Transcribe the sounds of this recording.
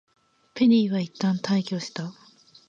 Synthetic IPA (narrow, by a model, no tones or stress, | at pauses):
pe̞ɾʲiβait̪ːãnt̪aikʲo̞ːɕi̥t̪a